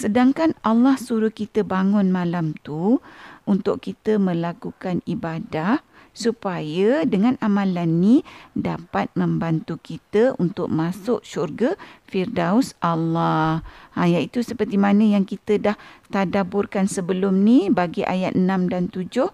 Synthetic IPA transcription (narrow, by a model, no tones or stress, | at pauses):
sədaŋkanalːahsuɾʊhkit̪əbaŋʊnmãlamt̪uunt̪ʊʔkit̪əmə̃lakukanibada | supajədəŋãnʔamãlanːidapat̪̚mə̃mbant̪ukit̪əunt̪ʊʔ̚masʊʔʃurɡəfirdaʊsʔalːahajait̪usəpərt̪imanə̃jaŋkit̪ədaht̪adabʊrkansəbəlʊmnibaɡiʔa̰jat̪̚ənãmdant̪ud͡ʒʊh